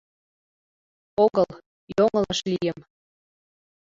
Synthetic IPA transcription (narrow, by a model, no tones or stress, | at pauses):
oɣəl | joŋəlɑʃlijə̆m